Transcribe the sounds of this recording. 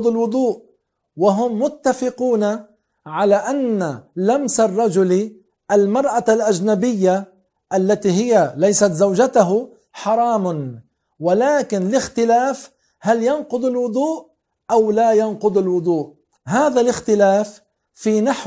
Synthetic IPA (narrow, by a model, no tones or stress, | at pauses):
d̪ˤɪlwʊd̪ˤuːʔ | waɦʊmːʊt̪ːafɪquːna | ʕalaːʔanːalamsarˤːɑd͡ʒʊli | ʔalmɑɾˤʔalʔad͡ʒnabɪjːa | ʔalːat̪iːɦɪjalajsat̪zawd͡ʒat̪ʊɦʊ | ħɑɾˤɑːm | walaːkɪnlɪxt̪ɪlaːf | haljɑnqʊd̪ˤɪlwʊd̪ˤuːʔ | ʔawlajɑnqʊd̪ˤɪlwʊd̪ˤuːʔ | ɦaːðalɪxt̪ɪlaːfː | iːnaħ